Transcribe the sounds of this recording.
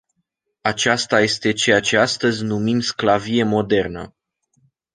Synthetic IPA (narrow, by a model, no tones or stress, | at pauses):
at͡ʃast̪aje̞st̪e̞t͡ʃe̞jat͡ʃe̞ast̪əzʲnumimsklavije̞mo̞d̪e̞rnə̰